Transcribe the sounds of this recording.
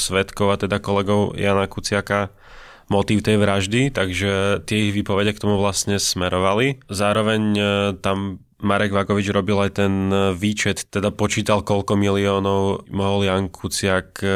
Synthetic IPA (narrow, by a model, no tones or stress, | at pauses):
sʋɛt̪kɔʊat̪ɛd̪akɔlɛɡɔʊjanakut͡sɪaka | mɔt̪iːʊt̪ɛjʋɾaʒd̪it̪aɡʒɛt̪ɪɛiɣʋiːpɔʋɛɟɛk̚t̪ɔmuʋlast̪ɲɛsmɛɾɔʋalizaːɾɔʋɛɲt̪amː | aɾɛɡʋaɡɔʋid͡ʒɾɔbilajt̪ɛnʋiːt͡ʃɛt̪t̪ːɛd̪apɔt͡ʃiːt̪alkɔʎkɔmiliɔːnɔʊmɔɦɔljaŋkʰut͡sɪak